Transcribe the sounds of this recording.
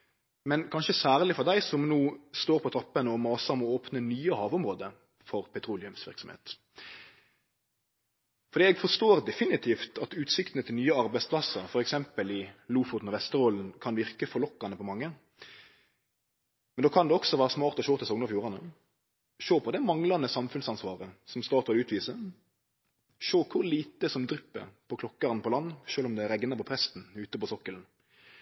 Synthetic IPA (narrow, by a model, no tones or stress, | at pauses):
mɛnkʰɑnʃəsæːʁlɪfɔʁd̪æɪsɔmnuːst̪oːɾpʰɔt̪ʰɾɑpːənəɔmɑːsɑmɔoːpnənyːəhɑːʋʊmʁoːd̪ə | fɔɾpʰɛt̪ʰɾuːlɪʉmsʋɪ̰ʁɾksɔmhḛːt̪ | fɔɾd̪iːɛɡfɔʂt̪oːʁd̪ɛfɪnɪt̪ʰiːft̪ɑt̪ʉːt̪sɪkt̪ənət̪ʰɪlnyːəɑɾbæɪspʰlɑsːəɾfɔɾɛksɛmpəlɪluːfʊt̪nɔʋɛst̪əɾoːln̩kʰɑnʋɪɾkəfɔɾlɔkːɑnəpɔmɑŋːə | mɛnd̪oːkʰɑnd̪ɛɔksɔʋæːɾəsmɑːɾt̪ɔʃoːt̪ɪsɔŋnəɾɑfjuːʁɑnə | ʃoːpʰɔd̪ɛmɑŋlɑnəsɑmfʉnsɑnsʋɑːʁəsɔmst̪ɑːt̪ʋɑlʉːt̪ʰʋiːsə | ʃoːkʰʊɾliːt̪əsɔmd̪ɾʏpːə̰pʰɔkʰlɔkːɑɾnəpʰɔlɑnːʃøːlɔmd̪ɛɾɛɡnəpɔpʰɾɛst̪n̩ʉːt̪əpɔsɔkːəln̩